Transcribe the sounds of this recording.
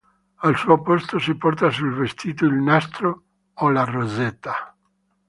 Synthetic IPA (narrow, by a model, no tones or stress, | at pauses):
alsuːopost̪osipɔrt̪asulvest̪ʰiːt̪oilnast̪ɾo | olarozet̪ːa